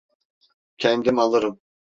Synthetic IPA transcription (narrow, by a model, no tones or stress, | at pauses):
cʰɛnd̪imalˠɯɾɯm